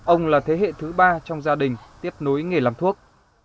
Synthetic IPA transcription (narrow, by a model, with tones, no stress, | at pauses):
ʔə˧wŋ͡mlaː˨˩t̪ʰe˨˦ɦḛ˧˨t̪ʰɨ˨˦ɓaː˧t͡ɕɔ˧wŋ͡mzaː˧ɗï˨˩ŋ̟t̪i˦˥əp̚no˨˦jŋe˨˩laː˨˧˩mt̪ʰu˦˥ək̚